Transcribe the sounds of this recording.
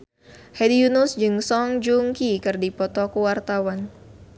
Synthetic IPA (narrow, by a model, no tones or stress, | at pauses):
hɛdijunusd͡ʒɨŋsɔŋd͡ʒuŋkikɨrdipɔt̪ɔkuwart̪awan